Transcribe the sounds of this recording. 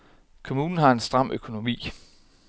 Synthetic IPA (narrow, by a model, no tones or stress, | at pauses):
kʰo̝muːnn̩ɦɑ̈e̝nsd̥ʁɑ̈m̰ʔøkʰo̝no̝mḭː